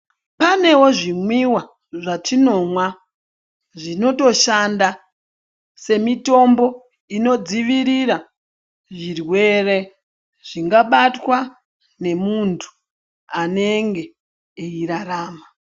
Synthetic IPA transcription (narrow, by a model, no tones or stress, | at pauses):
pane̞wo̞ʐimwiwa | ʐatino̞mwa | ʐino̞to̞ʃanda | se̞mito̞mbo̞ | ino̞d͡ziʋiɾiɾa | ʐirwe̞re | ʐ̥iŋɡaɓatwa | ne̞muntʰu̥ | ane̞ŋɡe̞ː | iɾaraːma